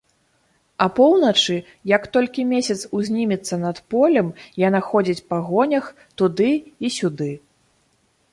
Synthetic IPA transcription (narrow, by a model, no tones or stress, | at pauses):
ɐpɔwnɐt͡ʂɨ | jɐkt̪ɔlʲkʲimʲesʲɐt̪suzʲnʲimʲit̪sːɐnɐt̪pɔlʲɛmjanaxɔd͡zʲit͡sʲpaɣɔnʲɐx | t̪ud̪ɨisʲud̪ɨ